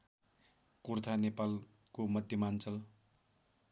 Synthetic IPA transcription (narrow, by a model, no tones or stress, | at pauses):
kurt̪ʰanepal | komʌd̪ʱjʌmant͡sʌl